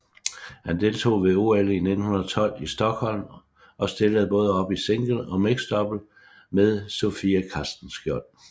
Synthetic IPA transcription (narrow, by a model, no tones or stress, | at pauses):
hænd̥e̝lt͡sʰo̝̰ːʋe̝o̝ːeline̝d̥n̩hunɐt͡sʰɒ̽l̰isd̥ɒ̽ɡ̥hɒ̽l̰m | ʔɒ̽sd̥e̝ləð̩ˠb̥ɔ̽ːð̞ˠɒ̽b̥iseŋ̰ɡ̥l̩ˠɒ̽meɡ̥sd̥ɒ̽b̥l̩ | meðˠso̝fiːækʰɑsd̥n̩sɡ̥jɒn̰